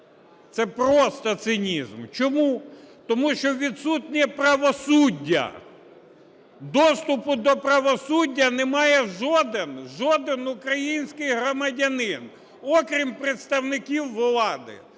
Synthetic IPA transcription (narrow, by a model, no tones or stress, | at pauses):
t̪sɛpɾɔst̪ɔt̪sɪnʲizmt͡ʃɔmut̪ɔmuʃt͡ʃɔʋʲid̪sutʲnʲɛpɾɐʋɔsudʲːɐ̰ | d̪ɔst̪ʊpʊd̪ɔpɾɐʋɔsudʲːɐnɛmɑjɛʒɔd̪ɪnʒɔd̪ɪnʊkɾɐjinʲsʲkɪjɦɾɔmɐdʲɐnɪn | ɔkɾʲimpɾɪt̪st̪ɐwnɪkʲiwːlˠɑd̪ɪ̰